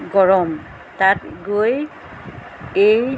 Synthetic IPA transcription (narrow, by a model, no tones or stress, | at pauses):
ɡɔɹɔm | tatɡoj | ej